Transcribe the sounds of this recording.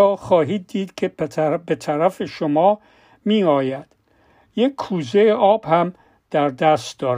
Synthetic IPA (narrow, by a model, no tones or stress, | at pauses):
ɒːxɒːɦiːd̪̚ːiːd̪kʰe̞bet̪ʰæɾæfe̞ʃomɒː | miːɒːjæd̪̥ | jekʲʰːuːzejeɒːb̥hæm | d̪̥æɾd̪æst̪d̪ɒːɾ